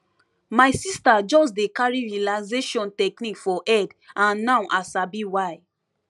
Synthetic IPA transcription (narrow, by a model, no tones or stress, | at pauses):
maɪsistad͡ʒɔs̬dekaɹiɹiialaɪzeʃɔ̃ntɛknikfɔʔɛdãnːãwʔasabiwaj